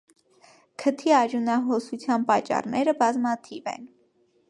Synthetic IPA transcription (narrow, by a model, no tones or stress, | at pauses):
kʰət̪ʰiɑɾjunɑɦɔsut͡sʰjɑnpɑt͡ʃːɑ̰rnɛɾəbɑzmɑt̪ʰivɛ̰n